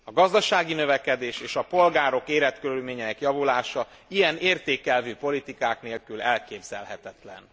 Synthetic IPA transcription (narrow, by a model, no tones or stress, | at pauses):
ɒɡɒzd̪ɒʃaːɡinø̞vɛkɛd̪eːʃeːʃɒpo̞lɡaːɾo̞keːɾɛt̪køɾylmeːɲɛnɛkjɒvulaːʃɒ | ijɛneːrt̪eːkɛlvyːpo̞lit̪ikaːkneːlkylɛlkeːbz̥ɛ̰lɦɛt̪ɛt̪lɛ̰n